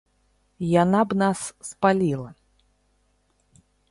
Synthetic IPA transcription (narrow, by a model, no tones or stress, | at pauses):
janabnasːpalʲilˠɐ